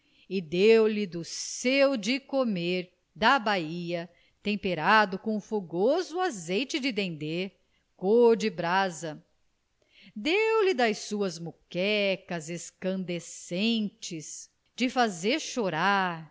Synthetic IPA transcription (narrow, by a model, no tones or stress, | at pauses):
ɪd̪ewlɪd̪ʊsewd͡ʒɪkomeɾ | d̪ɐbaiɐ | t̪ẽmpeɾad̪ʊkõũfoɡozʊazejt͡ʃɪd͡ʒɪd̪ẽnd̪eɾ | koɾd͡ʒɪbɾazɐ | d̪ewlɪd̪ɐjsuɐzmukɛkɐzeskɐ̃nd̪esẽnt͡ʃɪs | d͡ʒɪfazeɾʃoɾaɾ